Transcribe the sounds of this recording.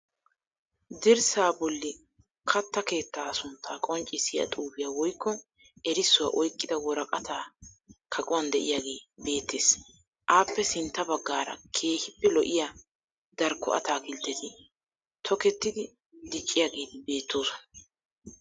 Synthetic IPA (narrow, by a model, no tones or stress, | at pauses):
d̪ɪɾsaːbɔlːɪ | kʰɐt̪ːɐke̞ːt̪ːaːsʊnt̪ʰːaːkʼɔnt͡ʃʼɪsɪja̰t̪ʼuːbɪjaːwɔjkːɔ | ɛɾɪsːʊwaʔɔjkʼːɪd̪ɐwɔɾɐkʼɐt̪aːkʰɐkʼʊwɐnd̪ɛʔɪjaɡe̞ːbe̞ːt̪ʰːeːs | ʔaːpːɛsɪnt̪ːɐbɐɡːaːɾɐ̰kʰe̞ːhɪpːɛlɔʔɪja | d̪̥ɐɾkʰːɔ̰ʔɐ̰t̪aːkɪlt̪ːɛt̪ɪ | t̪ʰɔkɛt̪ːɪd̪ɪ | d̪ɪt͡ʃʼːɪjaːɡe̞ːd̪ɪbe̞ːt̪ːoːsɔnɐ